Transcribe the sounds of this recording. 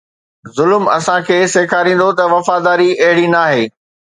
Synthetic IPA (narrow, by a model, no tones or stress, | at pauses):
zʊlmɐ̰sãkʰeːseːkʰaːɾĩːnd̪ot̪ɐʋɐfaːd̪aːɾiɐɦɪɽinaːɦeː